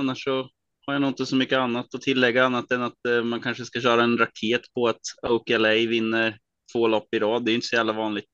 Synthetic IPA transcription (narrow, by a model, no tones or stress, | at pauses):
anːaʂːɔ | haɾjanɔnt̪ɪŋsɔmʏkːəanːat̪ɔt̪ʰɪlːɛɡːaanːat̪ɛnːat̪mankʰanʂəskaɕœːɾaɛnɾakʰeːt̪pʰɔat̪oʊkɛlɛjvɪnːə | t̪ʰvoːlɔpːɪɾɑːd̪dːɛɪjʏnt̪əsɔjæːvlavɑːnlɪɡ̚t̪